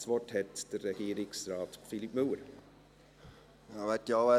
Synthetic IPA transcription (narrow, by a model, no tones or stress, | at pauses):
sʋɔthɛt̪d̥ərːɛɡ̥iːɾɪksɾɑːt̪filipmɵwəɾ | ɑːʋætjiɑːʋæ